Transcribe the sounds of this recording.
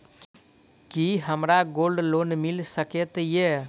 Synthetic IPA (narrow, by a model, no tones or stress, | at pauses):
kiɦəmɾaɡoːlɖloːnmɪlsəket̪je